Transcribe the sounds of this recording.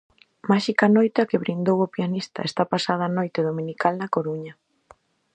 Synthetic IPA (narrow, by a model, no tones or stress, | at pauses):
maʃikanojt̪eakɪβɾind̪owopianist̪a̰est̪apasað̞ɐaːnojt̪eðomĩnikalnɐkoɾuɲɐ